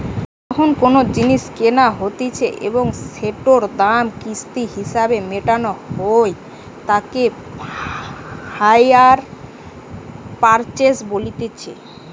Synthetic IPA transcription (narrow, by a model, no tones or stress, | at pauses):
ɔkʰonkonod͡ʑiniʃkenaɦot̪et͡ɕʰeʔḛboŋseʈoɾd̪amkist̪iɦiʃabemeʈanohoj | t̪ake | hajaɾ | paɾt͡ɕesbolit̪et͡ɕʰḛ